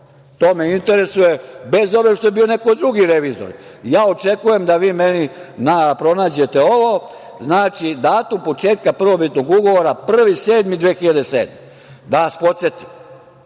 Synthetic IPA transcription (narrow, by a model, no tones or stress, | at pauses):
t̪o̞ːme̞int̪eɾe̞suje̞be̞zo̞ʋeʃt̪o̞jebiːone̞kod̪ɾuɡiɾe̞ʋiːzo̰ɾjaːo̞t͡ʃe̞kuje̞md̪aʋiːme̞ninapɾo̞naːd͡ʑe̞t̪eo̞ʋo̞ | znaːt͡ʃid̪aːt̪umpo̞t͡ʃe̞ːt̪̚kapr̩ʋo̞bit̪no̞ɡuɡo̞ʋo̞ɾapr̩ʋise̞ːd̪mid̪ʋeːxiʎad̪esḛːd̪me | d̪aʋaspo̞t̪se̞t̪i̥m